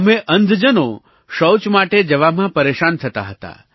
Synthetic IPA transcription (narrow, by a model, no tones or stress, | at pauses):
əmeʔənd̪ʱd͡ʒəno | ʃəwt͡ʃmaʈed͡ʒəʋamãpəɾeʃant̪ʰət̪a̰ɦət̪a̰